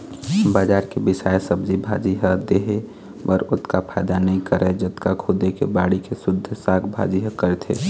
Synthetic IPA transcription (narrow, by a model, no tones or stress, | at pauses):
baːd͡ʒaːɾkebɪsaːesəbd͡ʒibʱa̰ːd͡ʒiɦəd̪eɦe | ɔɾʊt̪kapʰaːɪd̪anɐɦĩkəɾɛd͡ʒət̪kakʰud̪ekebaːɽikesʊd̪ʱːsaːɡʰbʱa̰ːd͡ʒiɦəkəɾɛt̪ʰḛ